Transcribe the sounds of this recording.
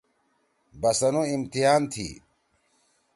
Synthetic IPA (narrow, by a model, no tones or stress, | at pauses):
bɐsɐnuimt̪iɦaːnt̪ʰḭː